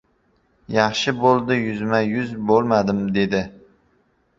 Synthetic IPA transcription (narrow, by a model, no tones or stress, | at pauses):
jɑχʃɪbolˠd̪ɪjʊzmajʊzbolˠmad̪ɪmd̪e̞d̪ɪ